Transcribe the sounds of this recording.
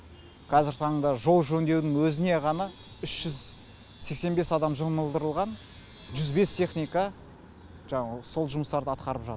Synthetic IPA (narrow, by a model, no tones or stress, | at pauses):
qʰɑzɪɾt̪ʰɑɴəɴd̪ɑʒo̞lˠʒɵnd̪e̞wd̪ɪŋwɵzɪne̞ʁɑnɑʏʃʒ̥ʏz | se̞kse̞nbe̞sɑd̪ɑmʒəməlˠd̪əɾəlˠʁɑn | ʒʏzbe̞st̪ʰe̞χnijka | ʒɑɴɑso̞lˠʒʊməst̪ɑɾd̪əɑt̪qɑɾəpʒɑ̰t̪ə